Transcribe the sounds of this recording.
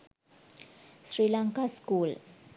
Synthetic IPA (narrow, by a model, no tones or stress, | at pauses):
srilaŋkaskul